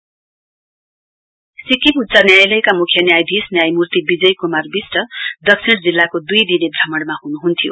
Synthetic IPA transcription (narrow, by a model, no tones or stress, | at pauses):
sikiput̪ːt͡sanjajlʌjkamukʰjʌnjajd̪ʱisnjajmurt̪ibid͡zʌjkumarbisʈʌd̪ʌksʰiɽd͡zilːakod̪ujd̪inebʱʌmʌɽmaɦunuɦunt̪ʰijo̰